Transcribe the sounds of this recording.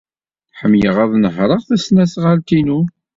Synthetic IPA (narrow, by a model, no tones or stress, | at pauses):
ħəmːjəʁæðˤnəɦɾˤəʁθæsnæsʁalt̪inu